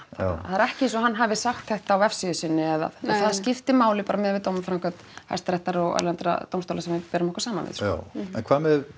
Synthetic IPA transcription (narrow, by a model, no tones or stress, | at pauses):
aaθaðɾɛhcɪɪsɔɦanːɦavɪsaxt̪θɛht̪aːwɛfsiʏsɪnːɪɛða̰ðɛθaðscɪft̪ɪmaːwlɪpaːɾamɛðvɪðt̪owmʏfɾaŋkʰœt̪ha̰̥st̪ɾɛht̪aɾɔɣa̰lɛnt̪ɾa̰t̪owmst̪owlasɛmvɪpɛːɾʏmɔhkːḁsaːmanvɪ̰ð̥a̰ɛ̰nkʰvaːmɛð